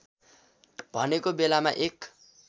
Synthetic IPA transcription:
bʱʌnekobelamaʔek

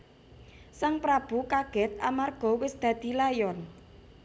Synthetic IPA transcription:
saŋpɾab̥ṳkaɡ̥ɛ̤t̪̚amarɡ̥ɔ̤wɪsd̪̥ä̤d̪̥i̤lajɔn

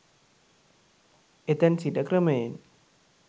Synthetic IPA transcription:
et̪ɛnsidakɾəmen

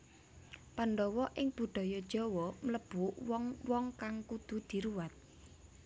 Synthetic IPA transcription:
panɖɔwɔʔɪŋb̥ṳd̪̥ɔ̤jɔd̥ʒ̥ɔ̤wɔmələb̥uʔwɔŋwɔŋkaŋkud̪̥ṳd̪̥i̤ɾuwat̪̚

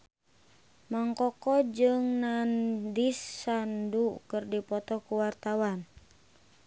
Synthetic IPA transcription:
maŋkɔkɔd͡ʒɨŋnandisːandukɨrdipɔt̪ɔkuwart̪awan

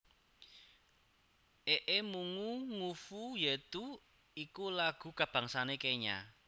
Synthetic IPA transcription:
ʔeʔemuŋuŋufujet̪u | ikulaɡ̥ṳkab̥ä̤ŋsanekeɲa̰

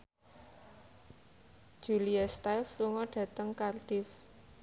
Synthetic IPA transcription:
ʒ̥uliast̪ajlsluŋɔɖ̥ä̤t̪əŋkard̪̥ɪf

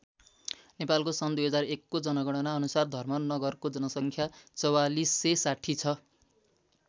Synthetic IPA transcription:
nepalkosʌnd̪ujɦʌd͡zarekːod͡zʌnʌɡʌɽʌnaʌnusard̪ʱʌrmʌnːʌɡʌrkod͡zʌnʌsʌŋkʰjat͡sʌwalisːesaʈʰit͡sʰʌ

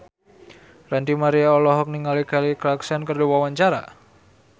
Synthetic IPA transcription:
rant̪imaɾiaɔlɔɦɔk̚niŋalikalikɾaksankərduwawaɲt͡ʃaɾa̰

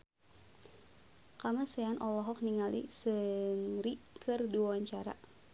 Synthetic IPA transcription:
kamasɛanʔɔlɔɦɔk̚niŋalḭsəŋɾikʰɨrdiwawaɲt͡ʃaɾa̰

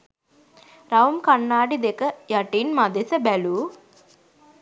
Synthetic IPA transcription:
ɾawmkanːaːɖid̪ekəjaʈinmad̪esəbæluː

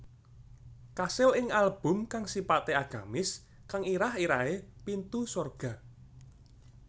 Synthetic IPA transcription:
kasɪlɪŋalb̥ʊ̤mkaŋsipat̪eaɡ̥a̤mɪs | kaŋiɾaɦiɾaepint̪usorɡ̥a̤

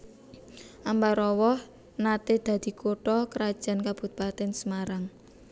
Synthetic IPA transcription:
ʔambaɾɔwɔh | nat̪ed̪̥ä̤d̪̥i̤kʰoʈɔkəɾad̥ʒ̥a̤nkab̥ṳt̪̚pat̪ɛnsəmaɾaŋ

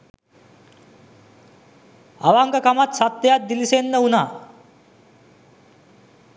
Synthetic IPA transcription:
a̰ʋaŋɡəkamat̪sat̪ːəjat̪̚d̪ilisenːəunaː

